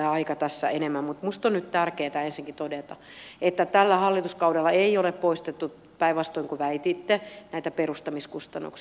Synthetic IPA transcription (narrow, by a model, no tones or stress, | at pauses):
eɑikɑt̪æsːæ̰enemːæmmut̪must̪onnyt̪t̪ærkeːt̪æensiŋkit̪odet̪ɑ | et̪ːæt̪ælːæhɑlːit̪uskɑudelːɑeioleppoist̪et̪ːu | pæiʋʋɑst̪oiŋkuʋæit̪iːt̪ːenæit̪æperust̪ɑmiskust̪ɑnːṵks